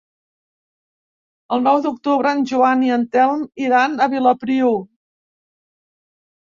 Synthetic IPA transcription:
əlˠnɔwd̪uk̚t̪uβɾəːnʒuaniənt̪ɛlˠmiɾanəβiləpɾiu

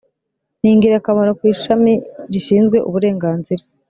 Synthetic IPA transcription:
n̥iːŋɡiɾakamaɾokwiːʃamiɾiʃiːnzɡwe̞ʔuβuɾe̞ːŋɡaːnziɾa

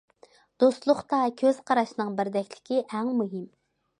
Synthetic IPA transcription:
d̪̥ost̪lˠʊχt̪ɑkʲʰøz̥qʰɑɾɑʃnɨŋbɪɾd̪ɛkʲlɪ̥kʲʰɪʔæŋmuɦɪm

